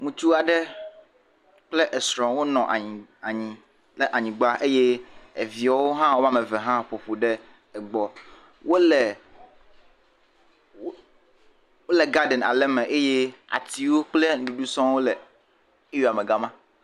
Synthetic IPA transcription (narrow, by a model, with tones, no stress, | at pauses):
ŋũ˨t͡ʃu˦a˨ɖɛ˦ | k͡ple˦ʔɛ˨sɾɔ̃˨wo˦nɔ̃˨ʔa˨ɲĩ˨a˨ɲĩ˨ | lɛ˦ʔa˨ɲĩ˨ɡ͡ba˦ʔe˦je˦e˨vi˨a˨˦wo˦ɦã˦wo˦ma˦mɛ̃˨vɛ˨ɦã˦ɸo˨ɸo˨ɖɛ˦ | ɛ˨ɡ͡bɔ˨ | wo˦lɛ˨ | wo˦lɛ˨ɡa˦ɖɛ˨na̰˨lɛ˦mɛ̃˨ʔe˦je˦a̰˨t̪i˨wo˦k͡ple˦ŋ̩˦ɖu˨ɖu˦sɔ̃˦wo˦lɛ˨˦ | ji˨a˨mɛ˨ɡa˦mã˦